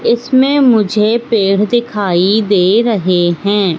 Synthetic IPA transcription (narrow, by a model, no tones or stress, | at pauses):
ɪsmẽmʊd͡ʒʱepeːɽ̤d̪ɪkʰaːid̪eːɾɐɦeɦɛ̃ː